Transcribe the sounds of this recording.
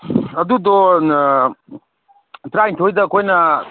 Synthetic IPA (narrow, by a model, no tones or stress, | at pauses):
ɐd̪ud̪ɔ | tɾajntʰojd̪ɐːkʰojnɐ